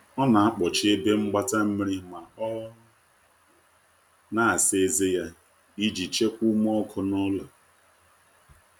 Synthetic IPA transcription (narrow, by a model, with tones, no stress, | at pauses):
ɔ˦na˨a˦k͡pɔ˨t͡ʃɪ˦e˦be˦ŋ͡m̩˦ɡ͡ba˦ta˦m̩˦mi˦ɾɪ˦ma˨ɔ˦ | na˦a˨se˦ze˦ja˦ | i˦d͡ʒi˨t͡ʃe˦kʷu˦m˦ɔ˦kʰɔ˦nɔ˦lʊ˨